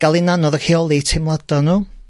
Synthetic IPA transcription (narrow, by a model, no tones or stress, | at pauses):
ɡ̥alˠinanɔðəkiɔlˠitʰɪmlˠad̥ɔnuː